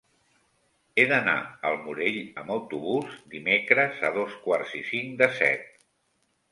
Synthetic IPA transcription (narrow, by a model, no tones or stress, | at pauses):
eðəna̰əlˠmuɾeʎəməwt̪uβuzd̪imekɾəzəðoskwarzisiŋd̪əsɛ̰t̪̚